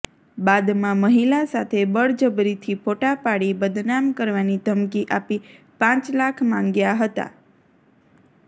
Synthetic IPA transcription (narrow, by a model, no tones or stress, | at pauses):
bad̪mãməɦilasat̪ʰebəɭd͡ʒəbɾit̪ʰipʰoʈapaɽibəd̪namkəɾʋanit̪əmkiʔapi | pãt͡ʃlakʰmãŋɡjaɦət̪a̰